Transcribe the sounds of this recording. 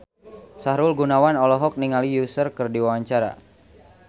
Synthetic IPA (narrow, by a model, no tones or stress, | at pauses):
saɾulɡunawanɔlɔɦɔk̚niŋalijusərkɨrdiwawaɲt͡ʃaɾa̰